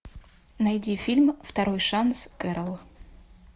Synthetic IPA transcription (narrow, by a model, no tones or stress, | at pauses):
najd̪ʲifʲilʲmft̪aɾojʂanskɛɾəlˠ